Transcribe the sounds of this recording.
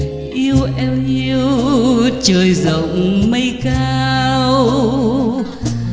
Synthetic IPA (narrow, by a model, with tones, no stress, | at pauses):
ʔi˧əwʔɛ˧wɲi˧əwt͡ɕəː˨˩jzə̰˨wŋ͡mmə˧jkaː˧w